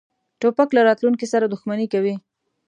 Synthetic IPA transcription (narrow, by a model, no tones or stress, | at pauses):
ʈopaklaɾɑt̪lunkisaɾad̪ʊxmanikawi